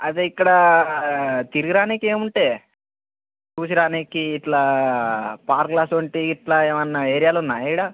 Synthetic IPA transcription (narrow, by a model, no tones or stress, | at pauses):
ɐt̪eikːɐɽɐ | t̪iɾiɡiɾaːnikie̞ːmuɳʈe̞ː | t͡ʃuːsiɽaːnikiːʈlaː | paːɾklaːsoɳʈiːʈlaːeːʋɐnːɐeːɾijaːlunːaːjɽaː